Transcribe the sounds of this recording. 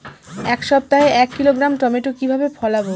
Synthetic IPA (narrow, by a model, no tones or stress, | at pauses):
ɛkʃɔb̚t̪aɦeʔɛkːiloɡɾamʈɔmeʈokibʱabepʰɔlabo